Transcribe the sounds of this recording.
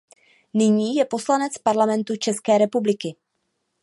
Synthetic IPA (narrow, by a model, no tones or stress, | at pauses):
nɪɲiːjɛpo̞slanɛt͡spaɾlamɛnt̪ut͡ʃɛskɛːɾɛpublɪkɪ